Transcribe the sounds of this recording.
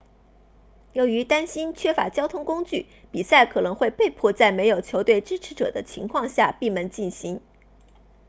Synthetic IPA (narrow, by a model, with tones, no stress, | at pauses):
jo˧˥ʊy˧˥t̪a˥nɕi˥nt͡ɕʰɥɛ˥fa̰˧˥t͡ɕjɑ˥ʊt̪ʰʊ˥ŋkʊ˥ŋt͡ɕy˥˩ | pi˨˩sa˥˩ɪkʰɤ˨˩nɤ˧˥ŋxwe˥˧ɪpe˥˧ɪpʰwɔ˥˧t͡sa˥˩ɪme˧˥ɪjo˨˩ʊt͡ɕʰjo˧˥ʊt̪we˥˩ɪʈ͡ʂɻ̩˥ʈ͡ʂʰɻ̩˧˥ʈ͡ʂɤ̰˨˩d̪ə˦t͡ɕʰi˧˥ŋkʰwɑ˥˧ŋɕja̰˥˧pi˥˩mə˧˥nt͡ɕi˥˩nɕi˧˥˦ŋ